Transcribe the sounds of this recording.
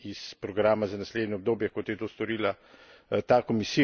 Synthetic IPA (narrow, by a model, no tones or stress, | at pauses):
ispɾɔɡɾaːmazanasled̪nɛɔb̚d̪oːbjɛkɔt̪jɛt̪oːst̪ɔɾiːla | t̪aːkomisi